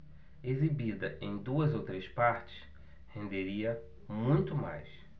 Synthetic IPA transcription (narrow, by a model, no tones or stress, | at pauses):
ezibid̪ɐʔẽj̃d̪uɐzowt̪ɾespaɾt͡ʃɪ̥s | hẽnd̪eɾiɐ | mũj̃t̪ʊma̰js